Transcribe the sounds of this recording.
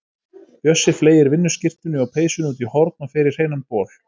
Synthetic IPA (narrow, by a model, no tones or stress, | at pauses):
jœsːɪfleːjɪɾvɪnːʏscɪr̥t̪ʏnʏɔwpʰeːjsʏnuːt̪ihɔɾt̪̚nafɪːɾɪɾ̥heːjnanpʰɔːl̥